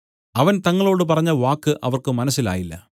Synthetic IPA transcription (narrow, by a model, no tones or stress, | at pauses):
ɐʋɐnt̪ɐŋːɐɭo̞ːɽɨp̬ɐrɐɲːɐʋaːkːɨʔɐʋɐrkɨmɐnɐsːila̰ːjilːɐ̰